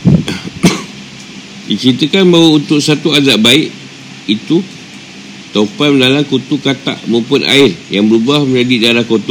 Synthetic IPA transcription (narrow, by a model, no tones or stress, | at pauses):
dit͡ʃəɾit̪əkanbawəunt̪ʊʔsat̪uazaʔbaɪʔ | it̪u | t̪oupatmənalankut̪ukat̪a̰ʔmə̃mpʊna̰ɪrjaŋbəɾubahməɲd͡ʒadidaɾahkot̪ɔ